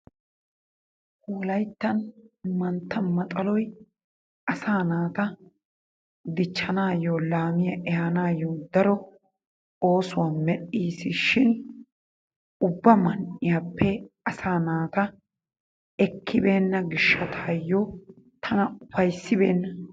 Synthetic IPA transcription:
huːlɐjt̪ːɐnmɐnt̪ːɐmɐt̪ʼɐlɔj | ʔɐsaːnaːt̪ɐ | d̪ɪt͡ʃːɐnaːjoːlaːmɪjɐʔɛhɐnaːjːoːd̪ɐɾɔ | o̞ːsʊwamɛɗiːsɪʃɪn | ʊbːɐmɐnʔɪjapːɛɐsaːnaːt̪ɐ | ɛkʰːɪbe̞ːnːɐɡɪʃːɐt̪ʰaːjːɔ | t̪ʰɐnɐʊfɐjsːɪbe̞ːnːɐ

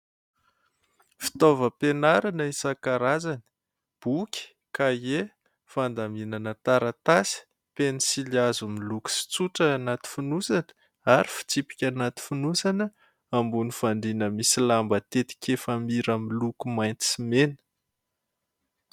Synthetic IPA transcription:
fi̥t̪ovəpenaɾanəisakaɾazanə̥ | b̥ukʲi̥ | kae | fand̪aminanət̪aɾat̪asi̥ | penisiliazumiluku̥si̥t͡suʈ͡ʂəːnat̪i̥funusanə̥ | aɾifi̥t͡sipi̥kʲanat̪i̥funusanə | ambunifaɳɖ͡ʐinəmisilambət̪et̪i̥kʲefamiɾəmilukumajnt̪simenə̥

